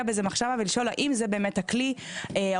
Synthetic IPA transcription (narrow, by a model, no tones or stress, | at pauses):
abezemaχʃavaveliʃo̞la̰ʔimzebe̞eːmethakli | ea